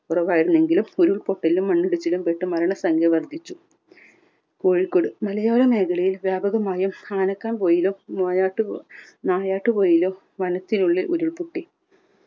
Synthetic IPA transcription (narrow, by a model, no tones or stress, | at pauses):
purɐʋaːjiɾunːe̞ŋɡilumuɾuɭpo̞ʈːɐlumːɐɳːuɽit͡ɕːilumpeʈːɨmɐɾɐɳɐsɐŋɡʱɐʋɐrd̪ʱit͡ɕːu | koːɻikːoɽɨmɐlɐjoːɾɐme̞ːkɐɭɐjilʋjaːbɐɣɐmaːjumaːnɐkːaːnpoːjilumːoːjaːʈːɨnaːjaːʈːɨpo̞ːjilo | ʋɐnɐt̪ːinuɭːeʔuɾuɭpuʈːi